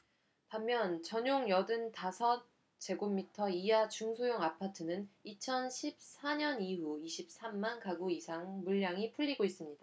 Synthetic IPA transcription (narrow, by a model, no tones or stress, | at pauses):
tamːjʌnt͡ɕʌɲoŋjʌdɯntasʰʌ | t͡ɕe̞ɡomːitʰʌijat͡ɕuŋsʰojoŋapʰatʰɯnɯnit͡ɕʰʌnɕʰip̚s͈aɲʌniɦuiɕʰip̚s͈amːankaɡuisʰaŋmuʎːaŋipʰuʎːiɡois͈ɯmɲid̥a